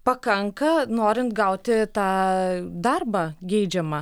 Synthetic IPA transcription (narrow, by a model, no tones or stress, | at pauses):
pɐkɐŋkɐnoːɾʲɪnt̪ɡɐʊt̪ʲɪt̪ɑːd̪ɐrbɑːɡʲɛɪd͡ʒʲɛmɐ